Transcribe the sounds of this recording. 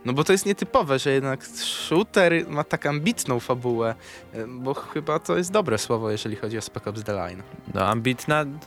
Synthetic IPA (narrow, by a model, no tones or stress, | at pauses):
nɔbɔt̪ɔjɛst̪ɲɛt̪ɘpɔvɛʐɛjɛd̪nakʂut̪ɛɾmat̪akambʲit̪nɔ̃w̃fabuwɛ | bɔxɘbat̪ɔjɛst̪d̪ɔbɾɛswɔvɔjɛʐɛlʲixɔd͡ʑiɔspɛkɔbzd̪ɛla̰jnnɔ̰a̰mbʲit̪na